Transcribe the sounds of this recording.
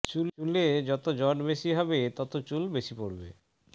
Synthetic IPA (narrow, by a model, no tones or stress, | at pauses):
t͡ɕululed͡ʑɔt̪od͡ʑɔɖbeʃiɦɔbet̪ɔt̪ot͡ɕulbeʃipoɾbe